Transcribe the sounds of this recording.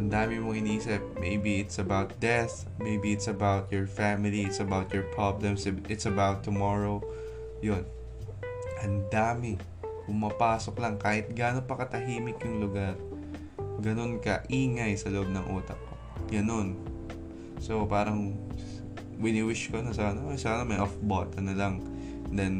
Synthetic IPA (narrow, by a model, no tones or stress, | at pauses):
ʔɐnd̪aːmɪmoŋɪniʔiːsɪp̚mejbiɪt̪sɐbawt̪̚d̪ɛθ | mejbiɪt̪sɐbawt̪̚jɔɹfamɪliɪt̪sɐbawt̪jɔɹpɹablɛmsʔɪt̪sɐbawt̪ːʊmoɹo | jo̞n | ʔɐnd̪aːmɪ | pʊmapaːsoklɐŋkaːhɪt̪̚ɡaːnopɐkɐt̪ɐɦiːmɪkjʊŋlʊɡaɾ | ɡɐno̞nkɐʔiːŋɐjsɐloʔob̚nɐŋʔuːt̪ɐk̚ːo | ɡɐno̞n | sopaːɾɐŋ | wɪnɪwɪʃkonɐsabɐnosabnɐmɐjʔofbot̪̚kɐnɐlɐŋ | d̪ɛn